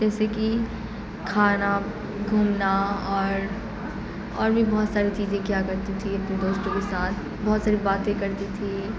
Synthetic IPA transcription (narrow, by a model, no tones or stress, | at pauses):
d͡ʒɛːseki | kʰaːna | ɡʱuːmnaɔːɾ | ɔːɾmĩbɔːt̪saːɾit͡ʃiːzẽkjakɐɾt̪it̪ʰiɐpned̪oːst̪õkesaːt̪ʰ | bɔːt̪saːɾibaːt̪ẽkɐɾt̪it̪ʰi